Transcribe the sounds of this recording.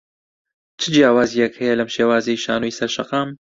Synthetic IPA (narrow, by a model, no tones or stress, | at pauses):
t͡ʃʰɨd͡ʒjaːwaːzijɐkhɛjɐlɐmʃeːwaːzɐjiʃa̰ːnojsɐɾʃɐqɑːm